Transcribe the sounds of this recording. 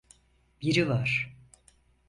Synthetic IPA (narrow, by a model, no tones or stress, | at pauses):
biɾivaɾ̥